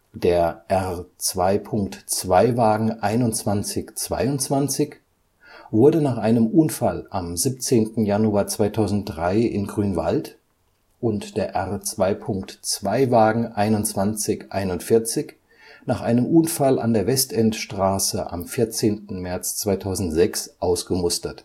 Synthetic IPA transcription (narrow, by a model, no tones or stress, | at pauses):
d̥eːɐʔɛʁt͡sv̥aɪpʰʊŋktt͡sv̥aɪvaːɡŋ̩ʔaɪnʊnt͡sv̥ant͡sɪçt͡sv̥a̰ɪʊntt͡sv̥ant͡sɪç | vʊɐdənaːχʔaɪnəmʔuːnfalʔamziːp̚t͡seːntn̩januaːɐt͡sv̥aɪtʰaʊzn̩t̚dʁaɪɪ̰nɡʁyːnva̰lt | ʔʊntd̥eːɐʔɛʁt͡sv̥aɪpʰʊŋktt͡sv̥aɪvaːɡŋ̩ʔaɪnʊnt͡sv̥ant͡sɪçʔaɪnʊntfɪɐt͡sɪç | naːχʔaɪnəmʔuːnfalʔa̰ndeːɐvɛstɛntʃtʁ̥aːsəʔa̰mfɪɐt͡seːntn̩mɛɐt͡st͡sv̥aɪtʰaʊzn̩tz̥ɛksʔaʊsɡ̥əmʊstɐt